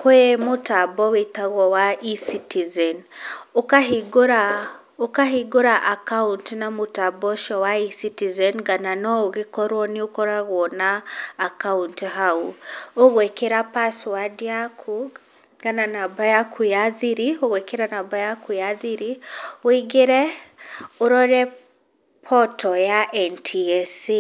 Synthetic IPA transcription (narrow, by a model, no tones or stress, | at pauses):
kwɛmotabɔwetaɣwɔwaʔisitizɛnokaɦiɡoɾa | okaɦiɡoɾaʔakauntnamotabɔʃɔwaisitizɛnɡananɔoɣekɔɾwɔniokɔɾaɣwɔnaːkauntɦauoɣwɛkeɾapaswadiakʰu | ɡananabajakʰujaðiɾioɣwɛkeɾanabajakujaðiɾiwiɡeɾɛ | oɾɔɾɛ | pʰɔtɔjaʔɛntʰiɛsi